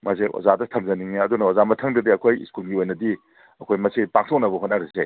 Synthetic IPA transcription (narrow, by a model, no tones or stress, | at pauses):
mʔaseo̰zadɐtʰɐmzɐniŋɐdunɐozamɐtʰɐŋdɐdiɐkʰojskulɡiojnɐdi | ɐkʰojmɐsipak̚sɔnɐbɐɦot̚naɾise